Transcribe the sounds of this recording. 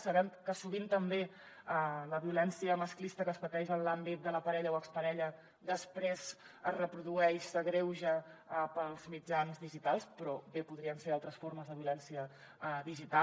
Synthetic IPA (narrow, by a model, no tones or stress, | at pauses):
səβɛmkəsuβint̪əmbe | ələβiulɛnsiəməsklist̪əkəspət̪ɛʒənlambit̪̚d̪ələpəɾɛʎəwəkspəɾɛʎə | d̪əspɾez | əzrəpɾuðuɛʃəɣɾewʒapəlˠzmid͡ʒanzðiʒit̪alˠspɾɔbepuðɾiənseɾalˠt̪ɾəsfoɾməzðəβiulɛnsiə | əðiʒit̪a